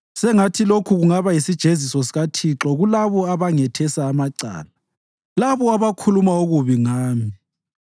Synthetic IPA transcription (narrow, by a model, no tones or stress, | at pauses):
sɛŋatʰilokʰuɣuŋaβajisid̥ʒ̥ʱezisɔsiɣatʰiǁɔɣulaβɔaβaŋɛtʰɛsaːmaǀa̰ːla | laβɔaβakʰulumaoɣuβiŋaːmi